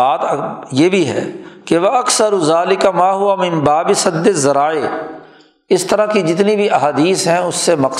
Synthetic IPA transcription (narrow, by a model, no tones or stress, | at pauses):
aːt̪jeːbʱiɦɛ̰ːkeʋɐʔɐksəɾʊzaːlɪkamaːɦʊʋamɪ̃nbaːbɪsɐd̪ːɪzɐɾaːe | ɪst̪əɾakid͡ʒɪt̪nibʱiʔɐɦaːd̪iːsɦɛ̃ʊsːemɐk